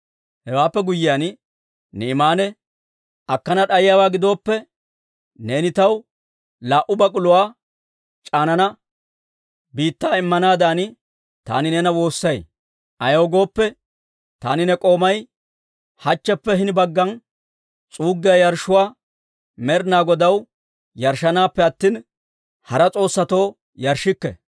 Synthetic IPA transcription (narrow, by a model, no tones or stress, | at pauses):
hɛwaːpːɛɡʊjɪjaːn | nɛɪmaːnɛ | ɐkːɐnɐɗɐjjaːwaːɡɪd̪o̞ːpːɛ | ne̞ːnɪt̪ɐw | laːʔʊbɐkʼʊlʊwaː | t͡ʃʼaːnɐnɐ | biːt̪ːaːɪmːɐnaːd̪aːn | t̪a̰ːnɪnɛnɐwo̞ːsːɐj | ʔɐjoːɡo̞ːpːɛ | t̪a̰ːnɪnɛkʼo̞ːmɐj | hɐt͡ʃːɛpːɛɦɪnbɐɡːɐn | t͡sʼuːɡːɪjːjɐɾʃʊwaː | mɛɾnaːɡɔd̪ɐw | jɐɾʃɐnaːpːɛɐt̪ːiːn | hɐɾɐt͡sʼo̞ːsːɐt̪o̞ː | jɐɾʃːɪkːɛ̰